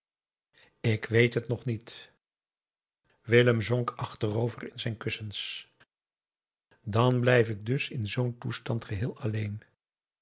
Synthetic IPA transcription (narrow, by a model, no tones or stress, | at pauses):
ɪkʋejtɦətnɔχnit | ʋɪləmzɔŋkʰɑχtərowvərɪnzɛjnkɵsəns | dɑnblɛjfɪɡ̚dɵsɪnzowntustɑntχəɦɪːlˠɑlejn